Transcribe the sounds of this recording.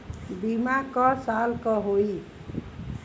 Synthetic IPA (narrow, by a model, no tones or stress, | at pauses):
bimakɔsalkɔɦoi